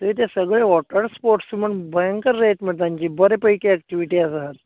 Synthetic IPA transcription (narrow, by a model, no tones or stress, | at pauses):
t̪əʋit̪̬esəɡɭeʋɔʈəɾspoɾʈsiməɳbəjəŋkəɾːeʈməɽt̪aɲt͡ɕiːbəɾepəjkeæk̚ʈiʋiʈiːasaɦat̪